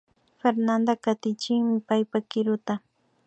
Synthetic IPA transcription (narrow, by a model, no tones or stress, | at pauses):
feɾnand̪akat̪ɪt͡ʃɪŋmɪpajpakɪɾʊt̪a